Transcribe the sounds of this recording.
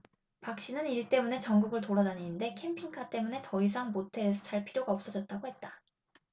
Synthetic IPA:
pak̚ɕ͈inɯniɭt͈e̞mune̞t͡ɕʌŋɡuɡɯɭtoɾadaniɲinde̞kʰe̞mpʰiŋkʰat͈e̞mune̞tʌis̬ʰaŋmotʰe̞ɾesʰʌt͡ɕaɭpʰiɾjoɡaʌp̚s͈ʌd͡ʑʌt̚t͈aɡohe̞t̚t͈ḁ

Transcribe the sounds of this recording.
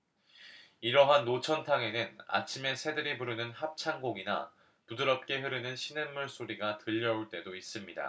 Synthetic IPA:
iɾʌɦanːot͡ɕʰʌntʰaŋe̞nɯna̰t͡ɕʰime̞sʰe̞dɯɾipuɾɯnɯnhap̚t͡ɕʰaŋɡoɡina̰ | pudɯɾʌp̚k͈e̞ɦɯɾɯnɯnɕʰinemːuɭs͈oɾiɡatɯʎːʌuɭt͈e̞dois͈ɯmɲida̰

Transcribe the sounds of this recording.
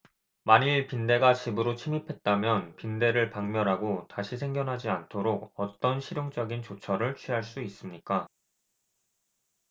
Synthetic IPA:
maɲiɭpinde̞ɡat͡ɕibɯɾot͡ɕʰimipʰe̞t̚t͈amjʌnpinde̞ɾɯɭpaŋmjʌɾɦaɡotaɕʰisʰe̞ŋɡjʌnɦad͡ʑiantʰoɾoɡ̚ʌt͈ʌnɕʰiɾjoŋd͡ʑʌɡint͡ɕot͡ɕʰʌɾɯɭt͡ɕʰɥiɦaɭs͈uis͈ɯmɲik͈a

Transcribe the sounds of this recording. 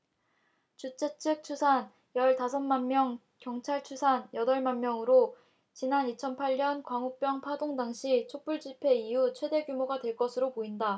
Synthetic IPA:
t͡ɕut͡ɕ͈ʰet͡ɕʰɯk̚t͡ɕʰusʰan | jʌɭtasʰʌnmanmjʌŋ | kjʌŋt͡ɕʰaɭt͡ɕʰusʰanjʌdʌɭmanmjʌŋɯɾo | t͡ɕinanit͡ɕʰʌnpʰaʎɲʌnkwaŋup͈jʌŋpʰadoŋdaŋɕʰit͡ɕʰop͈uɭd͡ʑipʰe̞iut͡ɕʰwe̞de̞ɡjumoɡadwe̞ɭk͈ʌsʰɯɾopoinda

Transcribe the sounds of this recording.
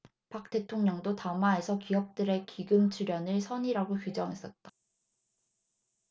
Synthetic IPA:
pak̚t͈e̞tʰoŋɲʌŋdotamae̞sʰʌkiʌp̚t͈ɯɾe̞kiɡɯmt͡ɕʰuɾjʌnɯɭsʰʌɲiɾaɡokud͡ʑʌŋɦe̞s͈ʌt̚t͈ḁ

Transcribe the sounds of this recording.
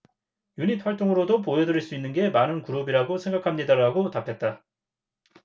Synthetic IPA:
juɲit̚ʰwaɭt͈oŋɯɾodop̬oedɯɾiɭs͈uinːɯnɡe̞manɯnkuɾobiɾaɡosʰe̞ŋɡakʰamɲidaɾaɡotapʰe̞t̚t͈a

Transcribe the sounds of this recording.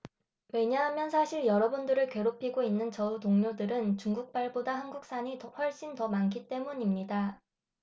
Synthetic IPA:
we̞ɲaɦamjʌnsʰaɕʰiɭjʌɾʌbundɯɾɯɭkwe̞ɾopʰiɡoinːɯnt͡ɕʌutoŋɲodɯɾɯnt͡ɕuŋɡuk̚p͈aɭbodahanɡuk̚s͈aɲitʌɸwʌɭɕ͈intʌmankʰit͈e̞muɲimɲida

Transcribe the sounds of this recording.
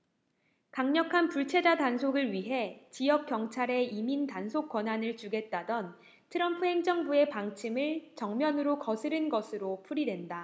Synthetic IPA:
kaŋɲʌkʰanpuɭt͡ɕʰe̞d͡ʑadansʰoɡɯɭɥiɦe̞t͡ɕijʌk̚k͈jʌŋt͡ɕʰaɾe̞imintansʰok͈wʌnɦanɯɭt͡ɕuɡe̞t̚t͈adʌn | tʰɯɾʌmpʰuɦe̞ŋd͡ʑʌŋbue̞paŋt͡ɕʰimɯɭt͡ɕʌŋmjʌnɯɾokʌsʰɯɾɯnɡʌsʰɯɾopʰuɾidwe̞nda

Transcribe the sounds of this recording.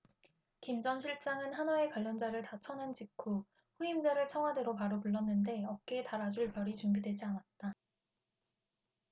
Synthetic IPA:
kimd͡ʑʌnɕʰiɭt͡ɕ͈aŋɯnɦanae̞kwaʎːʌnd͡ʑaɾɯɭtat͡ɕʰʌnɯnt͡ɕikʰu | ɸuimd͡ʑaɾɯɭt͡ɕʰʌŋɦwadeɾopaɾopuɭːʌnːɯnde̞ʌk͈etaɾad͡ʑuɭpjʌɾit͡ɕumbidwe̞d͡ʑianat̚t͈a

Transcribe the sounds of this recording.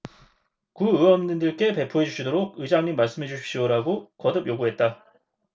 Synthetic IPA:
kuɯwʌmdɯndɯɭk͈e̞pe̞pʰoɦe̞d͡ʑuɕʰidoɾoɡ̚ɯd͡ʑaŋɲimːaɭs͈ɯmɦe̞d͡ʑuɕʰip̚ɕ͈ioɾaɡokʌdɯbjoɡuɦe̞t̚t͈a

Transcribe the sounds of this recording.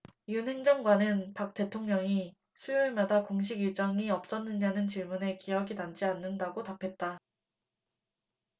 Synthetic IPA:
iunhe̞ŋd͡ʑʌŋɡwanɯnpak̚t͈e̞tʰoŋɲʌŋi | sʰujoemadakoŋɕ̬ʰiɡiɭt͡ɕ͈ʌŋiʌp̚s͈ʌnːɯnɲanɯnt͡ɕiɭmune̞kijʌɡinant͡ɕ͈ianːɯndaɡotapʰe̞t̚t͈a

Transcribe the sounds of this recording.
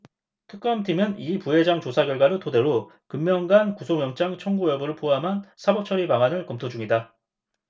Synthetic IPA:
tʰɯk͈ʌmtʰimɯnipuɦe̞d͡ʑaŋt͡ɕosʰaɡjʌɭɡwaɾotode̞ɾo | kɯmːjʌŋɡankusʰoŋjʌŋt͡ɕ͈aŋt͡ɕʰʌŋɡujʌbɯɾɯɭpʰoamɦansʰabʌp̚t͡ɕʰʌɾipaŋanɯɭkʌmtʰod͡ʑuŋida

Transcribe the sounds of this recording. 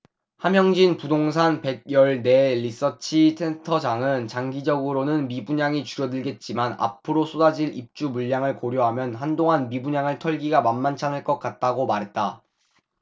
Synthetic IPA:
hamjʌŋd͡ʑinpudoŋs̬ʰanpe̞ɡ̚jʌɭne̞lis͈ʌt͡ɕʰitʰentʰʌd͡ʑaŋɯnt͡ɕaŋɡid͡ʑʌɡɯɾonɯnmibuɲaŋit͡ɕuɾjʌdɯɭɡe̞t̚t͡ɕ͈imana̰pʰɯɾosʰodad͡ʑiɭip̚t͡ɕ͈umuɭːaŋɯɭkoɾjoɦamjʌnɦandoŋanmibuɲaŋɯɭtʰʌɭɡiɡamanmant͡ɕʰanɯɭk͈ʌk̚k͈at̚t͈aɡomaɾɦe̞t̚t͈a

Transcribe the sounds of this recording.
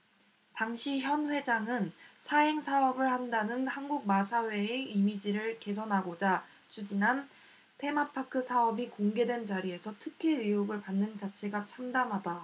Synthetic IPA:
taŋɕʰiçjʌnɸwe̞d͡ʑaŋɯnsʰaeŋsʰaʌbɯɭhandanɯnhanɡuɡ̚masʰawe̞eimid͡ʑiɾɯɭke̞s̬ʰʌnɦaɡod͡ʑa | t͡ɕud͡ʑinɦan | tʰe̞mapʰakʰɯsʰaʌbikoŋɡe̞dwe̞nt͡ɕaɾie̞sʰʌtʰɯkʰiɭɥiuɡɯɭpanːɯnt͡ɕat͡ɕʰe̞ɡat͡ɕʰamdamɦada

